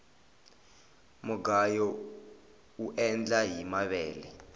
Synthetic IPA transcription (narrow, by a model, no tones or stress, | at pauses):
mɔɡajɔ | uʔɛnd͡ɮaɦimaɓɛːlɛ